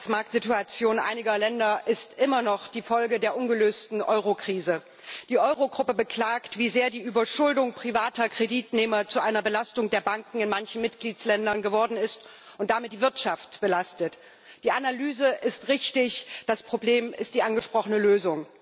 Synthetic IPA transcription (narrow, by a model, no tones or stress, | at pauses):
smaɐk̚tz̥ituat͡sjoːnʔa̰ɪnɪɡɐlɛndɐʔɪstʔɪmɐnɔχd̥iːfɔlɡədeːɐʔʊnɡəløːstn̩ʔɔ̰ʏʁokʁ̥iːzə | d̥iːʔɔʏʁoɡʁʊpəbəkl̥aːktv̥iːzeːɐdiːʔyːbɐʃʊldʊŋpʁ̥ivaːtɐkʁ̥ediːtnɛːmɐt͡suʔaɪnɐbəlastʊŋdeːɐbaŋkŋ̩ɪnmançn̩mɪtɡ̥liːt͡slɛndɐnɡəvɔɐdn̩ɪst | ʔʊnt̚d̥amɪt̚d̥iːvɪɐtʃaftb̥əlastət | d̥iːʔanalyːzəʔɪstʁɪçtɪçd̥aspʁ̥obleːmɪst̚d̥iːʔanɡəʃpʁ̥ɔχənəløːzʊŋ